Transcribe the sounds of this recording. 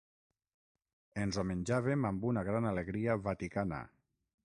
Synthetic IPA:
enzomenʲd͡ʒaβemambunaɣɾanaleɣɾiaβat̪ikana̰

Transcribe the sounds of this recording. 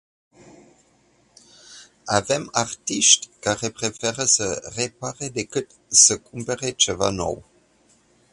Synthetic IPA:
avemart̪iʃt̪ʲkaʁepʁefɛʁəsərepaʁed̪ekɨt̪ | səkumpəʁet͡ʃeva̰no̰w

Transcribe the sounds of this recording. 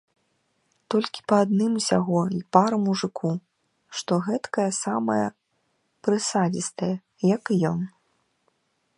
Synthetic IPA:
t̪ɔlʲkʲi̥pɐːd̪̚nɨmsʲaɣɔipaɾɐmuʐɨkʰu | ʂt̪ɔɣɛt̪kɐjɐsamɐjɐ | pɾɨsad͡zʲist̪ɐjɐ | jɐkjɔn

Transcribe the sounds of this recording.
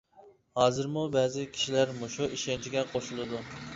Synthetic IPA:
hɑːzɨɾmubɛːzɪkʲʰi̥ʃilæɾmoʃuʔiʃɛnt͡ʃʰiɡʲɛqʰoʃulˠɨd̪u

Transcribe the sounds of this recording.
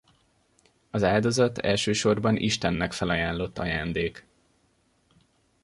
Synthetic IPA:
ɒzaːld̪o̞zɒt̪ɛ̰lʃøːʃo̞rbɒnʔḭʃt̪ɛnːɛkfɛlɒjaːnlo̞t̪ːɒ̰jaːnd̪eːk

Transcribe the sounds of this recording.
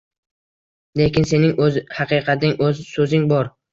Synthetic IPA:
le̞kʲɪnse̞nɪŋɵzhɑqɨqʰɑt̪ʰɪŋɵzsɵzɪŋbɒɾ

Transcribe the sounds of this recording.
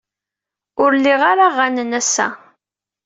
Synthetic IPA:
ʊɾlːiʁaɾaʁːænənæsæ̰

